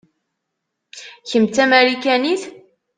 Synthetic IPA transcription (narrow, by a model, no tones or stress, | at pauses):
çəmt͡s̪æmæɾikæniθ